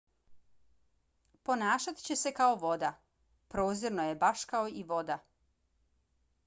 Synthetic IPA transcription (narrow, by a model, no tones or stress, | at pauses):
po̞naːʃat̪i̥t͡ɕe̞se̞kaoʋo̞d̪a | pɾo̞ːziɾnoje̞baʃkaoiʋo̞d̪a